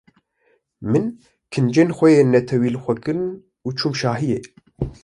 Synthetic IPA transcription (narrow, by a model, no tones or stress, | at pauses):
mɨn | kʰɨnd͡ʒeːnxʷɛjeːnɛt̪ʰɛwiːlɨxʷɛkɨɾn | uːt͡ʃʰumʃaːɦijeː